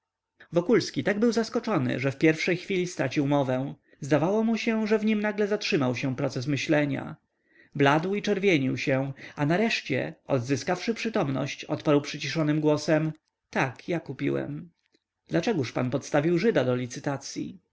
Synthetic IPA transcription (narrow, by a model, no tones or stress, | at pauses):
vɔkulskʲit̪aɡbɘwzaskɔt͡ʂɔnɘ̰ʐɛfpʲjɛɾfʂɛjxfʲilʲist̪ɾat͡ɕiwmɔvɛ̃ | zd̪avawɔmuɕɛ̃ʐɛvɲimnaɡlɛzatʂɘmawɕɛ̃pɾɔt̪sɛsmɘɕlɛɲa̰ | blad̪wit͡ʂɛɾvʲjɛɲiwɕɛ̃anaɾɛʂt͡ɕɛ̰ɔd̪zɘskafʂɘpʂɘt̪ɔmnɔ̰ɕt͡ɕɔt̪paɾwpʂɘt͡ɕiʂɔnɘmɡwɔsɛm | t̪akjakupʲḭwɛ̰m | d̪lat͡ʂɛɡuʂpa̰npɔt̪st̪avʲiwʐɘd̪ad̪ɔlʲit̪sɘt̪at̪sʲjḭ